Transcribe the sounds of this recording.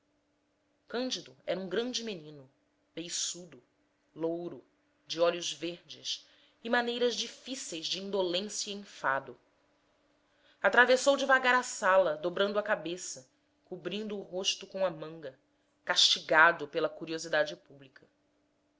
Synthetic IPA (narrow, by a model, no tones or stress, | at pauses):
kɐ̃nd͡ʒid̪ʊɛɾɐũŋɡɾɐ̃nd͡ʒɪmenĩnʊ | b̥ejsud̪ʊ | lowɾʊ | d͡ʒɪɔlʊzveɾd͡ʒɪs | ɪmanejɾɐzd͡ʒifisejzd͡ʒɪĩnd̪olẽsjɐĩfad̪ʊ | at̪ɾavesowd͡ʒɪvaɡaɾɐsalɐd̪obɾɐ̃nd̪ʊɐkabesɐ | kubɾĩnd̪ʊːɦoʃt̪ʊkõɐmɐ̃ŋɡɐ | kaʃt͡ʃiɡad̪ʊpelɐkuɾiozid̪ad͡ʒɪpublikʰɐ